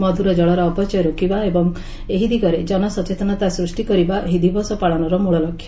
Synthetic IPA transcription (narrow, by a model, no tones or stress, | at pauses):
mɔd̪ʱuɾɔd͡ʒɔɭɔɾɔːpɔt͡ʃɔjɔɾokibaebɔŋ | eɦid̪ʱiɡɔɾed͡ʒɔnɔsɔt͡ʃet̪ɔnɔt̪asɾusʈikɔɾibaɦid̪ʱibɔsɔpaɭɔnɔɾɔmoɭɔlɔkʰːjɔ